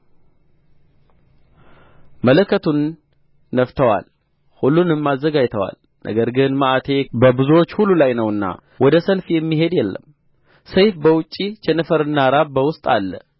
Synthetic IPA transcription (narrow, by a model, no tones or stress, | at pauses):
mələkːət̪ʰunː | əft̪ʰəwa̰l | hulːunɨmːazːəɡajt̪ʰəwa̰l | nʔə̰ɡəɾɡɨnməʔat̪ʰe̞bəbɨzuwot͡ʃːhulːulajnəwɨnːa̰ | wɔd̪əsəlfjɛmːiɦe̞d̪jɛlːə̰m | səjfbəwʊt͡ʃʼːit͡ʃɛnəfəɾɨnːaɾaβbəwʊst̪ʼalːə̰